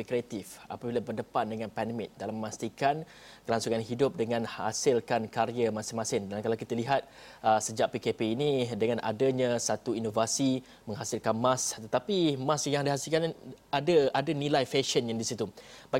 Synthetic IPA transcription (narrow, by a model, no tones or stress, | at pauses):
kɾiat̪ifa̰pabilabərdəpandəŋãnpɛndəmɪ̃t̪̚dalaməmast̪ikan | kəlansuŋanɦidʊp̚dəŋãnha̰sɪlkankaɾiamasɪnmãsɪndankalawkit̪əliɦat̪̚ | əsəd͡ʒaʔ̚pikepeinidəŋana̰dəɲasat̪uinovasi | mə̃ŋɦasɪlkanmãst̪ət̪apimãsjaŋdiɦasɪlkanadaadanilajfɛʃənjadisit̪ubaɡ